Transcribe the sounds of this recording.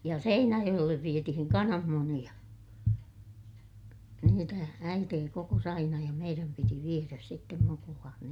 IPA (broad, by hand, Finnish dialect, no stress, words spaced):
jɑ seinæjoj̆elːeʋ ʋietihiŋ kɑnɑmːunij̆ɑ niːtæ æiteː kokos ɑinɑ jɑ meiræm piti ʋieræs sitːem mukulɑːn